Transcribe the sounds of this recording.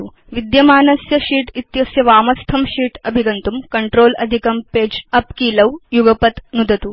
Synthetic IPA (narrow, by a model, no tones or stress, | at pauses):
u | ʋid̪jɐmaːnɐsjɐʃiːʈit̪jɐsjɐʋaːmɐst̪ʰɐmʃiːʈɐbʱiɡɐnt̪umkɐɳʈɾoːlɐ̰d̪ʱikɐmpeːd͡ʒɐpkiːlɐwjuɡɐpɐt̪nud̪ʱɐt̪u